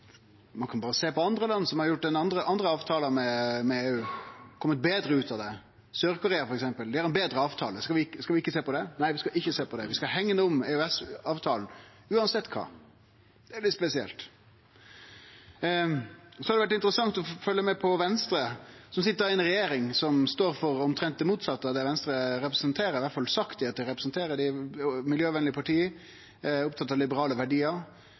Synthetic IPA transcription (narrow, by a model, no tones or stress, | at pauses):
mɑnkʰɑnbɑːɾəseːpɔɑnd̪ɾəlɑnːsɔmhɑɾjʊʈ̚ːd̪ɛnɑnd̪ɾəʔɑnd̪ɾəɑːʋt̪ʰɑːlənmɛmɛeːʉːkʰɔmːət̪̚beːd̪ɾəʉːt̪ɑʋd̪ɛ | søːɾkʊɾeːɑfɔɾɛks̬ɛmpəld̪ɪhæɾɛnbeːd̪ɾəɑːʋt̪ʰɑ̰ːləskɑʋɪɪkːəskɑʋɪɪkːəseːpɔd̪ɛnæɪʋɪskɑʔɪçːəseːpʰɔd̪ɛʋɪskɑhɛŋːənuːʊmeʉɛsɑːʋt̪ʰɑːln̩ | ʉːɑnsɛt̪ːkʰɑ̰ː | d̪̥ɛælɪt̪spɛsɪɛ̰lt̪ | sɔhɑɾd̪ɛʋæʈ̬ɪnt̪əɾəsɑŋt̪ɔfœlːəmɛpʰɔʋɛnst̪ɾəsɔmsɪt̪ːəɾɪɛnɾɛjeːɾɪŋsɔmst̪oːɾfɔɾɔmt̪ʰɾɛnt̪d̪ɛmuːt̪sɑt̪ːəɑd̪ɛʋɛnst̪ɾəɾɛpɾəsənt̪ʰeːɾəɾɪʋæʈfɑlsɑkt̪ɪɑt̪ɾɛpɾəsnt̪ʰeːɾəd̪ɪmɪljøːʋɛnlɪəpʰɑʈʰiː | ʊpt̪ʰɑt̪ːɑlɪbəɾɑːləʋæɖiːəɾ